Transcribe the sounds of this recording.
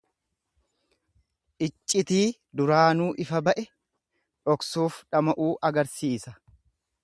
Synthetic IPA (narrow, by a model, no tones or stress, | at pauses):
ʔɪt͡ʃʼːɪt̪iː | d̪ʊɾaːnuːʔɪfɐbɐʔɛ | ᶑɔksuːfᶑɐmɐʔuːʔɐɡɐɾsiːsɐ